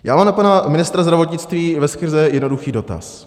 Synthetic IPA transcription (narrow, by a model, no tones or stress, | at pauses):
jaːmaːmpanamɪnɪst̪ɾazd̪ɾavo̞t̪ɲɪt͡st̪viːvɛskr̩zɛjɛdno̞duxiːdo̞t̪a̰s